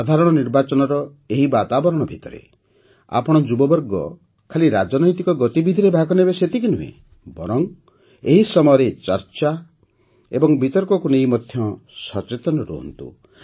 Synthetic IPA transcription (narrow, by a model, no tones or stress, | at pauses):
sad̪ʱaɾɔɽ̃ɔniɾbat͡ʃɔnɔɾɔ | eɦibat̪abɔɾɔɽ̃ɔbʱit̪ɔɾḛ | a̰pɔɽ̃ɔd͡ʒubɔbɔɾɡɔ | kʰaliɾad͡ʒɔnɔjt̪ikɔɡɔt̪ibid̪ʱiɾebʱaɡɔnebeset̪ikinuɦḛ̃ | bɔɾɔŋ | eɦisɔmɔjɔɾet͡ʃɔɾt͡ʃa | ḛbɔŋbʱit̪ɔɾkɔkunejmɔd̪ʱjɔsɔt͡ʃet̪ɔnɔɾṵɦɔ̰nt̪ṵ